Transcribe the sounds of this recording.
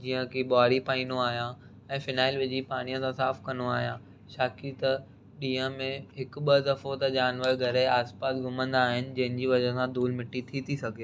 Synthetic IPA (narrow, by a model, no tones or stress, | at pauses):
d͡ʑiːə̃kiɓaːɾipaːĩːnoaːɦijã | ɛ̃ːfɪnaːɪlʋɪd͡ʑipaːɽ̃ijə̃sãsaːfkɐnoaːɦijãː | ʃaːkit̪ɐ | ɗiːə̃mẽɦɪkɓɐd̪ɐfot̪ɐd͡ʑaːnʋəɾɡʱɐɾeaːspaːsɡʱʊmə̃nd̪aːɦɪnɪ̆d͡ʑɐ̃ɦɪ̃nd͡ʑiːʋɐd͡ʑəsãd̪uːlmɪʈːit̪ʰit̪ʰisɐɡʱeː